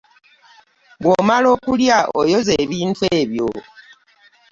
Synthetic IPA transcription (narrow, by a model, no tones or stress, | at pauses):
bwomalo̞ːkuljaʔojo̞ze̞βiːntweːβjo